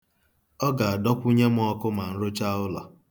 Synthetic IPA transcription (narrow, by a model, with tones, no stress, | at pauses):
ɔ˦ɡa˨a˨dɔ˦kʷu˦ɲe˦m˦ɔ˦kʊ˦ma˨n̩˦ɾʊ˦t͡ʃa˦ʊ˦lɔ˨